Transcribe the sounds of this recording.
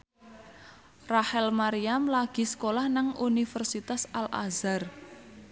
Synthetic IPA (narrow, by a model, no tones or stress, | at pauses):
rahɛlmaɾiamlaɡ̥i̤sə̥kolahnaŋunifərsit̪asalʔa̰zar